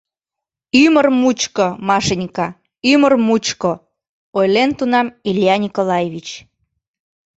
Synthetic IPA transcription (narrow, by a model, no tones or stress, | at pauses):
ymərmut͡ɕkomɑʃenʲkɑ | ymərmut͡ɕko | ojlent̪unɑmiljɑnʲikolɑjeβit͡ɕ